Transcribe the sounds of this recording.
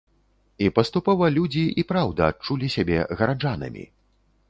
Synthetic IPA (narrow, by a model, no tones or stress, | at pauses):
ipɐst̪upɔvɐlʲud͡zʲiʔipɾawd̪ɐːt͡ʂulʲisʲabʲɛɣɐɾad͡ʐanɐ̰mʲḭ